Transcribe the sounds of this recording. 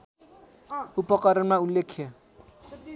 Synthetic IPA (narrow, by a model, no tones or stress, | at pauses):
upɔkʼɔɾɪnaulekʰia